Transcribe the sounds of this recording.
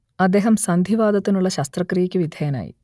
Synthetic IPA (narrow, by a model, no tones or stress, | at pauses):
ɐd̪eːɦɐmsɐnd̪ʱiʋaːd̪ɐt̪ːinuɭːɐɕɐst̪rɐkrijɐkʲːɨʋid̪ʱɐjɐna̰ːjḭ